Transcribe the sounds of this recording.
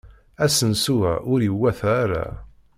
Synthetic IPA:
æsənsuæ̰ʔʊɾiwːæθaɾa̰

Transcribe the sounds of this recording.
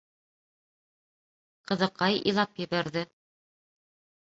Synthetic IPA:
qɤ̆ðɤ̆qɑjḭjlˠɑpjɘ̆βæɾðɘ

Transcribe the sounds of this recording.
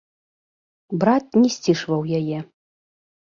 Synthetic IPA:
bɾat̪̚nʲɛsʲt͡sʲiʂvɐwjajɛ

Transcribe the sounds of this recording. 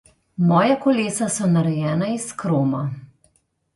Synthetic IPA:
mɔːjakɔleːsasɔnaɾɛjɛːnaiskɾoːma

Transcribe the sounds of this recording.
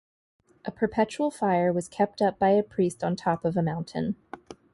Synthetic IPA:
ʔɨpʰə˞pʰɛt͡ʃul̩ˠfaɪə˞wʌz̥kʰɛp̚tʌp̚b̥aɪɨpʰɹ̥istn̩tʰɑpʌvəmãʊ̃ntʰɨ̰̃n

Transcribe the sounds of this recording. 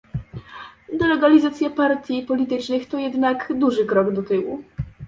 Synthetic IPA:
d̪ɛlɛɡalʲizat̪sʲjapaɾt̪ʲjipɔlʲit̪ɘt͡ʂnɘxt̪ɔjɛd̪nakd̪uʐɘkɾɔɡd̪ɔt̪ɘwṵ

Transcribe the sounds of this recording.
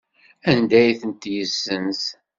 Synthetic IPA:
ænd̪æjθənt̪jəsːəns

